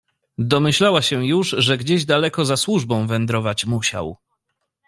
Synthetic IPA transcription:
d̪ɔmɘɕlawaɕɛjuʐʐɛɡd͡ʑeʑd̪alɛkɔzaswuʐbɔ̃w̃vɛnd̪ɾɔvat͡ɕmuɕa̰w

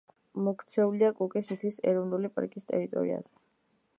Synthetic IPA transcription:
mɔkʰt̪sʰɛuliakʼukʼismit̪ʰisɛɾɔvnulipʼa̰ɾkʼist̪ʼɛ̰ɾit̪ʼɔ̰ɾḭa̰zɛ

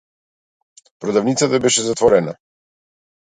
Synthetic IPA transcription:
pɾɔd̪avnit̪sat̪abɛʃɛzat̪vɔɾɛna̰

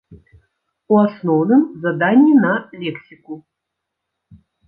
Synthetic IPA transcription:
uasnɔwnɨmzad̪anʲːinalʲɛksʲiku

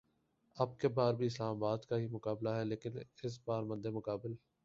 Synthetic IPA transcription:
ɐb̚kebaːɾbʱiɪslaːmabaːd̪kaɦimʊkaːblaɦɛleːkɪnɪs̬baːɾmə̃nd̪emʊkaːbɪl

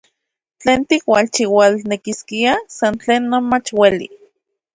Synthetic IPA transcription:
t͡ɬeːnt̪ikwalt͡ʃiwalnekiskiasant͡ɬeːnːonmat͡ʃwelḭ

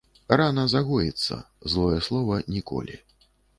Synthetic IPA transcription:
ranɐzaɣɔjɛt̪sːɐ̰ | zlˠɔjɛslˠɔvɐnʲikɔ̰lʲḭ

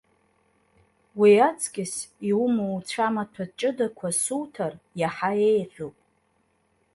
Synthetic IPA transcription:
wiat͡sʰʼkʲʼɪsiumowt͡ɕʷʰamatʰat͡ʃʼɨdakʷʰasuwtʰarjaħaejħupʼ

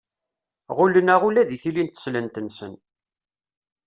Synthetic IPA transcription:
ʁʊlənæʁulæðiθilint̪ːə̥slənt̪ənsə̰n

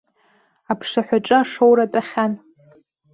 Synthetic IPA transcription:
apʰʂaħʷᶣaʈ͡ʂʼɨaʂowɾatʼaχʲan

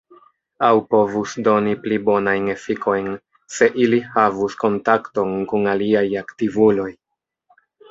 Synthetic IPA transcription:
awpo̞vusdo̞niplibo̞najne̞fiko̞jn | se̞ʔilihavusko̞ntakto̞nkunaliajaktivulo̞j

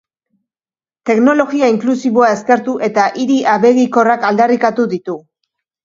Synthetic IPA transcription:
t̪e̞kno̞lo̞ɣiaiŋklusiβo̞ae̞ske̞ɾt̪uʔe̞t̪aʔiɾiʔaβe̞ɣiko̞rakald̪arikat̪uðit̪u

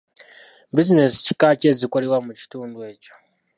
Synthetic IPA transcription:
bizinesi̥ci̥kacezikoɾewamuci̥tuːndwe̞ːco̥

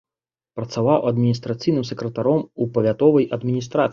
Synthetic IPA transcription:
pɾɐt̪savawɐd̪mʲinʲist̪ɾat̪sɨjnɨmsɛkɾɐt̪aɾɔmupɐvʲat̪ɔvɐjɐd̪mʲinʲist̪ɾat̪

